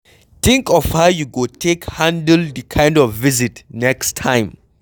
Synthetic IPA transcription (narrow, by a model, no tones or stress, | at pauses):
t̪ĩŋkɔfhawjuɡotʰekhãndəldikʰãj̃ndɔfvizitnɛkstʰãj̃m